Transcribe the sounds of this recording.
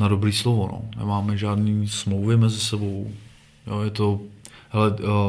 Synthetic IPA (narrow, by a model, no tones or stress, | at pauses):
nadobɾiːslovono̰nɛ̰maːmɛʒaːdniːsmlowvɪmɛzɪsɛbow | joːjɛt̪oɦɛlɛ